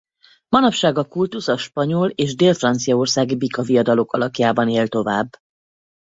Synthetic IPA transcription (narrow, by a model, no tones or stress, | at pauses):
mɒnɒpʃaːɡɒkult̪usɒʃpɒɲoleːʒd̪eːlfrɒnt̪sijɒo̞rsaːɡibikɒvijɒd̪ɒlo̞kɒlɒkjaːbɒneːlt̪o̞vaːbː